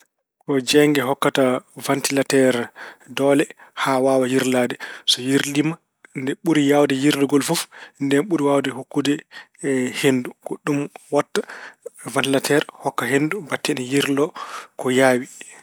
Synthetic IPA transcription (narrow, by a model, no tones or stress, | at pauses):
kɔd͡ʒɛŋɡɛɦɔkːatavantilatɛɾdɔlɛhawawajiɾladɛsɔjiɾlima | ndɛɓuɾijawdɛjiɾdɔɡɔlfufndɛnɓuɾiwawdɛɦukːudɛ | henduɡ̥ɔɗumwatːavantilatʰɛɾhɔkːaɦendubatːɛnɛjiɾlɔkɔjaːwi